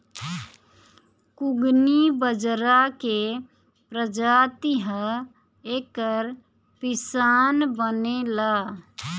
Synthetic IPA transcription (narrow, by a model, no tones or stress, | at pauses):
kʊɡnibəd͡ʒɾake | pɾəd͡ʒaːt̪iɦə | eːkəɾ | pɪsaːnbənelaː